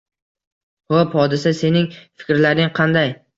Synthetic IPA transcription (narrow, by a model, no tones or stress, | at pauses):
hophɒd̪ɪsase̞nɪŋfɪ̥kʲɾlaɾɪŋqʰɑnd̪aj